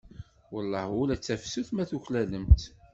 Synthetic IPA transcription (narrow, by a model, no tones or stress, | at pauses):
wəlˤːɑhʊlæt͡sːæfsuθmæθuçlæləmt̪